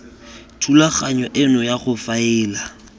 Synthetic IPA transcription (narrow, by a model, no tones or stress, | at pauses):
tʰulaχaɲɔʔɪnɔjaχʊfaɪːla